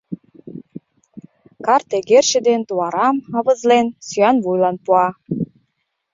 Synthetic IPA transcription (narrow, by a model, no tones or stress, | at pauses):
kɑrt̪eɡerʃĕd̪ent̪uɑɾɑmɑβə̆zlensyɑnβujlɑnpuɑ